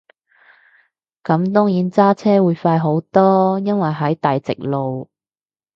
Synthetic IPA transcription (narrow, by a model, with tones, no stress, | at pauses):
kɐ˨˥mt̪ɔː˥ŋjiː˨˥nt͡saː˥t͡sʰɛː˥wuː˨˧jfaː˧jɦo˨˥wt̪ɔː˥jɐ˥nwɐ˨jɦɐ˨˥jt̪aː˨jt͡sɪ̰˨k̚lo˨w